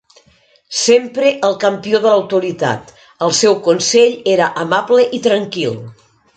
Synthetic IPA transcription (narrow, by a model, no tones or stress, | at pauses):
sempɾeʔəlˠkəmpioðələwt̪uɾit̪a̰t̪ | əlˠsɛwkunseʎeɾəʔəmaβləʔit̪ɾəŋkilˠ